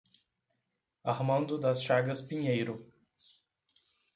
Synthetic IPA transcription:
ahmɐ̃nd̪ʊd̪ɐsʃaɡɐspiɲejɾʊ

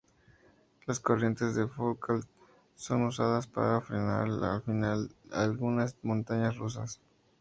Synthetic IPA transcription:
lasko̞rje̞nt̪e̞zðe̞fokal | so̞nusaðaspa̰ɾafɾena̰ɾa̰lfinalalɣunasmõnt̪aɲasrus̬as

